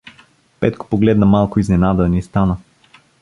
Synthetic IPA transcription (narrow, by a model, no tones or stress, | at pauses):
pɛt̪ko̥poɡlɛd̪nəmalˠkʊiznɛnad̪ənist̪anə